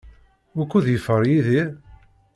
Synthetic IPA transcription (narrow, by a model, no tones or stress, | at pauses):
ʊkːuðjəfəɾˤjiði